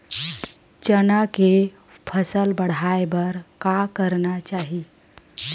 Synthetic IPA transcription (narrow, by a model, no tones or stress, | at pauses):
t͡ʃənake | pʰəsəlbəɽ̤aebəɾkakəɾnat͡ʃaɦi